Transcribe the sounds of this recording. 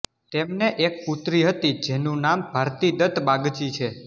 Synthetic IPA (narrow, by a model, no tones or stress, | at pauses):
t̪emneʔek̚put̪ɾiɦət̪id͡ʒenũnambʱaɾt̪id̪ət̪ʰbaɡt͡ʃit͡ʃʰe